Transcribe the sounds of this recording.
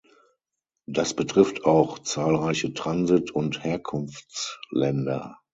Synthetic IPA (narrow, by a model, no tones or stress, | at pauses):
d̥asb̥ətʁ̥ɪftʰaʊxt͡saːlʁaɪçətʁ̥anzɪtʰʊntheːɐkʰʊnft͡slɛndɐ̰